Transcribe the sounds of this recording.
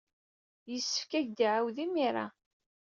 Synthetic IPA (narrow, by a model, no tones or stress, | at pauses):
jəsːə̥fkæʝd̪iʕawðimiɾˤa̰